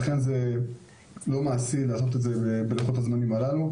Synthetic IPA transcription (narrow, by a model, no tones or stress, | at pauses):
aχe̞nze̞ | lo̞maːsilaːso̞t̪̬etzebebeleχotazmanimalalu